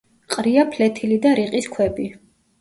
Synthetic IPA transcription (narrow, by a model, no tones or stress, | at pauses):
qʼɾiapʰlɛt̪ʰilid̪aɾiqʼiskʰwɛbi